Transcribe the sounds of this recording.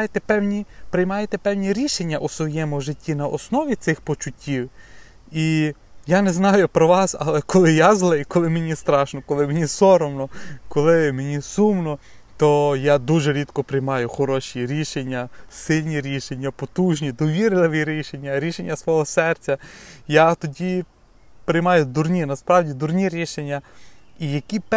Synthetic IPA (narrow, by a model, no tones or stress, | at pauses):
jet̪ɛpɛwnʲipɾɪjmɑjet̪ɛpɛwnʲiɾʲiʃenʲːɐʔusʋɔjɛmʊʒɪtʲːinɐʔɔsnɔʋʲit̪sɪxpɔt͡ʃʊtʲʰːiw | i | janɛznɑjʊpɾɔʋɑsɐ̰lˠɛkɔlˠɪjazlˠɪikɔlˠɪmenʲist̪ɾɑʃnɔkɔlˠɪmenʲisɔɾɔmnɔkɔlˠɪmenʲisumnɔ | t̪ɔjad̪uʒɛɾʲit̪kɔpɾɪjmɑjʊxɔɾɔʃʲiɾʲiʃenʲːɐsɪlʲnʲiɾʲiʃenʲːɐpɔt̪uʒnʲid̪ɔʋʲiɾlˠɪʋiɾʲiʃenʲːɐɾʲiʃenʲːɐsʋɔɦɔsɛrt͡sʲɐjat̪ɔdʲi | pɾɪjmɑjʊd̪urnʲinɐspɾɑwdʲid̪ʊrnʲiɾʲiʃenʲːɐijɐkʲip